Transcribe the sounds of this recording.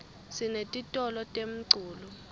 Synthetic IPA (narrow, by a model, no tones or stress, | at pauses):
sinetʼitʼɔlɔtʼem̩ǀuːlu